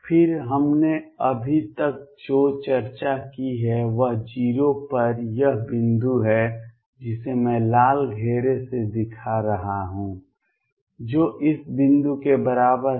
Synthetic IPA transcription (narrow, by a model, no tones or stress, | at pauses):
fʰɪɾɦɐmneɐbʱit̪ək̚d͡ʒoːt͡ʃɐɾt͡ʃakiɦɛʋəɦd͡ʒiːɾopɐɾjɐɦbɪ̃nd̪uɦɛ | d͡ʒɪsemɛ̃ːlaːlɡʱeːɾesed̪ɪkʰaɾɐɦaɦũː | d͡ʒoːʔɪsbɪ̃nd̪ukebɐɾaːbəɾ